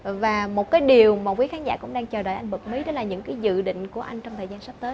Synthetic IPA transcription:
vaː˨˩mo˨˩t̚kaː˨˦jɗi˨˩əwmaː˨˩kwi˨˦xaː˨˦nza̰ː˧˩kʊ̰˧˥ŋ͡mɗaː˧ŋt͡ɕəː˨˩ɗo̰˧˩jʔa˧jŋ̟ɓə˨˩k̚mi˨˦ɗɔ˨˦laː˨˩ɲɨ̰˧˥ŋkaː˨˦jzɨ̰˧˨ɗḭ̈˧˨ŋ̟ku˧˩əʔa˧jŋ̟t͡ɕɔ˧wŋ͡mt̪ʰəː˨˩jzaː˧nsa˦˥t̪əː˨˦j

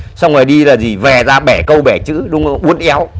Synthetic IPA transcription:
sa˧wŋ͡mŋɔː˨˩jɗi˧laː˨˩zi˨˩vɛ˨˩zaː˧ɓɛ˧˩kə˧wɓɛ˧˩t͡ɕɨ̰˧˥ɗʊ˨˦ŋ͡mʔu˨˦ənʔɛ˨˦w

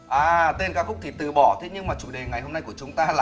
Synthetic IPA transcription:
ʔaː˨˩t̪e˧nkaː˦˥kxʊ˦˥k͡p̚t̪ʰi˧˩t̪ɨ̰˧˨ɓɔ˧˩t̪ʰe˨˦ɲɨ˧ŋmaː˨˩t͡ɕu˧˩ɗe˨˩ŋa˨˩jɦo˧na˧jku˧˩ət͡ɕʊ˨˦ŋ͡mt̪aː˧laː˨

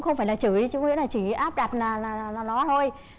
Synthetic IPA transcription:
ŋ͡mxə˧wfaː˧˩jlaː˨˩t͡ɕɨ˧˩˨t͡ɕʊ˨˧˦ŋ͡mŋḭ˧˥əlaː˨˩t͡ɕi˧˩ʔaː˦˥p̚ɗa˨˩t̚naː˨˩naː˨˩aː˨˩na˨˩nɔ˨˦t̪ʰo˧j

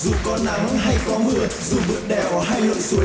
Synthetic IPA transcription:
zṵ˧˨˩kɔ˨˦na˨˦ŋha˧jkɔ˨˦mɨ˨˩əzṵ˧˩ɓɨ˧˥k̚ɗɛ˧˩ʔɔː˧˩ɦaː˧jlə̰ː˧˨jsu˨˦ə˦

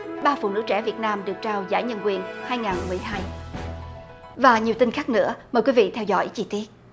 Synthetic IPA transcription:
ɓaː˧fṵ˨˩nɨ̰˧˥t͡ɕɛ̰˧˩vi˨˩ət̚naː˧mɗɨ˨˩ək̚t͡ɕaː˧wzaː˧˥jɲə˧nkwi˨˩ənhaː˧jŋaː˨˩nmɨ˨˩əjɦaː˧j | vaː˨˩ɲi˨˩wt̪ï˧nxaː˦˥k̚nɨ̰˧˥əməː˨˩jkwi˨˧˦vḭ˧˨t̪ʰɛ˧wzɔ̰˧˥jt͡ɕi˧t̪i˦˥ət̚

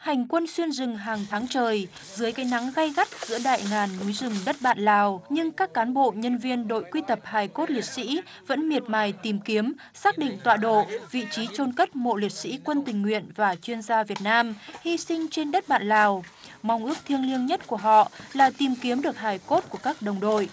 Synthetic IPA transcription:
ha˨˩jŋ̟kwə˧nswi˧ənzɨ˨˩ŋɦaː˨˩ŋt̪ʰaː˨˦ŋt͡ɕəː˨˩j | zɨː˨˦əjkaː˨˦jna˨˦ŋɣa˧jɣa˦˥t̚z̥ɨ̰˧˥əɗa̰ː˧˨jŋaː˨˩nːu˨˦jzɨ˨˩ŋ͡mɗə˦˥t̚ɓa̰ː˧˨nlaː˨˩wɲɨ˧ŋkaː˦˥kːaː˨˦nɓo̰˧˨ɲə˧nvi˧ənɗo̰˧˨jkwi˧t̪ə˨˩p̚haː˨˩jko˦˥t̚li˨˩t̚sḭ˧˥ | və̰˧˥nmi˨˩ət̚maː˨˩jt̪i˨˩mki˨˦əm | saː˦˥k̚ɗḭ˧˨ŋ̟t̪wa̰ː˧˨ɗo̰˧˨vḭ˧˨t͡ɕi˨˦t͡ɕo˧nkə˦˥t̚mo̰˧˨li˨˩ət̚sḭ˧˥kwə˧nt̪ï˨˩ŋ̟ːwḭ˧˨ənvaː˨˩t͡ɕwi˧ənzaː˧vi˨˩ət̚naː˧mhi˧sï˧ŋ̟t͡ɕe˧nɗə˦˥t̚ɓa̰ː˧˨nlaː˨˩wma˧wŋ͡mʔɨ˦˥ək̚t̪ʰi˧əŋli˧əŋɲə˦˥t̚ku˧˩əɦɔ̰˧˨laː˨˩t̪i˨˩mki˨˦əmɗɨ˨˩ək̚haː˨˩jko˦˥t̚ku˧˩əkaː˦˥k̚ɗə˨˩wŋ͡mɗo̰˧˨j

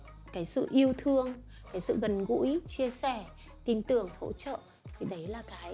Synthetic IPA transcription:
kaː˨˦jsɨ̰˧˨ʔi˧əwt̪ʰɨ˧əŋ | kaː˨˦jsɨ̰˧˨ɣə˨˩nɣṵ˧˥jt͡ɕi˧əsɛ˧˩ | t̪i˧nt̪ɨ˨˩əŋho̰˧˥t͡ɕə̰ː˧˨ | t̪ʰi˨˩ɗə˨˦jlaː˨˩kaː˨˦j

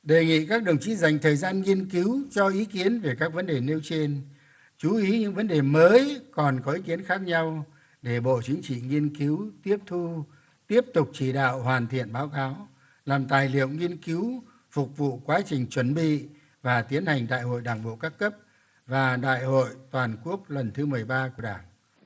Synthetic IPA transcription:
ɗe˨˩ŋḭ˧˨kaː˦˥k̚ɗə˨˩wŋ͡mt͡ɕi˧˥za˨˩jŋ̟t̪ʰəː˨˩jzaː˧nŋi˧ənki˨˦wt͡ɕɔ˧ʔi˨˦ki˨˦ənve˨˩kaː˦˥k̚və˨˦nɗe˨˩ne˧wt͡ɕe˧n | t͡ɕu˨˦ʔi˨˦ɲɨ̰˧˥ŋvə˨˦nɗe˨˩məː˨˦jkɔ˨˩nkɔ˨˦ʔi˨˦ki˨˦ənxaː˦˥k̚ɲa˧w | ɗe˧˩ɓo̰˧˨t͡ɕï˨˦ŋ̟t͡ɕḭ˧˨ŋi˧ənki˨˦wt̪i˦˥əp̚t̪ʰu˧ | t̪i˦˥əp̚t̪ʊ˨˩k͡p̚t͡ɕi˧˩ɗa̰ː˧˨whwaː˨˩nt̪ʰḭ˧˨ənɓaː˨˦wkaː˨˦w | laː˨˩mt̪aː˨˩jlḭ˧˨ə˨wŋi˧ənki˨˦w | fʊ˨˩k͡p̚vṵ˧˨kwaː˨˦t͡ɕï˨˩ŋ̟t͡ɕwə˧˩nɓḭ˧˨ | vaː˨˩t̪i˨˦ənha˨˩jŋ̟ɗa̰ː˧˨jho̰˧˨jɗaː˨˧˩ŋɓo̰˧˨kaː˦˥kːə˦˥p̚ | vaː˨˩ɗa̰ː˧˨jho̰˧˨jt̪waː˨˩nku˦˥ək̚lwə˨˩nt̪ʰɨ˨˦mɨ˨˩əjɓaː˧ku˧˩əɗaː˧˩ŋ

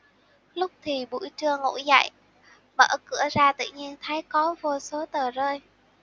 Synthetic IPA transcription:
lʊ˦˥k͡p̚t̪ʰi˨˩ɓṵ˧˥jt͡ɕɨ˧əŋo̰˧˥za̰˧˨j | ɓə̰ː˧˩kɨ̰˧˩əzaː˧t̪ɨ̰˧˨ɲi˧ənt̪ʰaː˨˦jkɔ˨˦vo˧so˨˦t̪əː˨˩zəː˧j

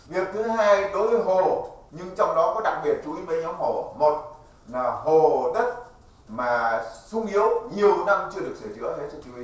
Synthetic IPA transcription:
vi˨˩ək̚t̪ʰɨ˨˦ɦaː˧jɗo˨˦jvə˨˦jɦo˨˩ɲɨ˧ŋt͡ɕɔ˧wŋ͡mɗɔ˨˦kɔ˨˦ɗa̰˨˩k̚ɓi˨˩ət̚t͡ɕu˨˦ʔi˨˦mə˧˦jɲɔ˨˦mho˧˨˩mo˨˩t̚ | nː˨˩ho˨˩ɗə˦˥t̚ | maː˨˩sʊ˧ŋʔi˨˦əwɲi˨˩əwna˧mt͡ɕɨ˧əɗɨ˨˩ək̚se˧˩jzɨ̰˧˥əhe˨˦˥t̪ʰɨ˧˩t͡ɕu˧˦i˧˦

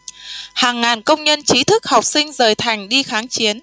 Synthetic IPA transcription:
haː˨˩ŋːaː˨˩nkə˧wŋ͡mɲə˧nt͡ɕi˨˦t̪ʰɨ˦˥k̚ha˨˩wk͡p̚sï˧ŋ̟zəː˨˩jt̪ʰa˨˩jŋ̟ɗi˧xaː˨˦ŋt͡ɕi˨˦ən

